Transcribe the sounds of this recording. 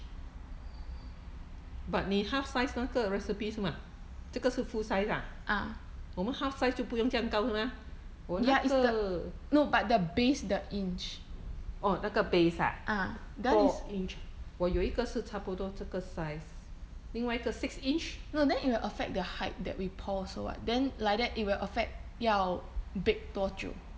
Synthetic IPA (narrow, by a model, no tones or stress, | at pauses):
bat̚nĩhafsajsnakəɹɛsipisuma | t͡ʃəkəsufusajsaʔamomə̃nhafsaɪstupujɔ̃ŋd͡ʒiãŋkawsəma | wɔnjaʔikədənobat̚dəbesdəĩnt͡ʃ | ʔɔlakəbesa̰ʔa | dɛɔisĩnt͡ʃwɔjɔikəsɨtʰapodɔtəkəsajs | nĩŋwaikəsiksĩnt͡ʃnodɛ̃nit̚wilʔəfɛk̚dəhaɪt̚dɛ̰t̚wipʰɔsowɔ̰t̚dɛ̃nlajk̚dɛt̚ʔit̚wilʔəfɛk̚t̚jabek̚tɔt͡ʃṵ